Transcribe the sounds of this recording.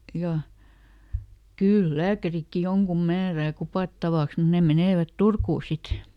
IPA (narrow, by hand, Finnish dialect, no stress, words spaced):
jɑ kyl læːkærikːi joŋkum mæːræː kupɑˑtːɑʋɑks mun ne meneˑʋæt turkuː sit